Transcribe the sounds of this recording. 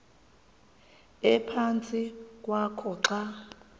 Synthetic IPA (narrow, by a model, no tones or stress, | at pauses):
ɛpʰant͡sʼik̬ʼwakʰɔǁa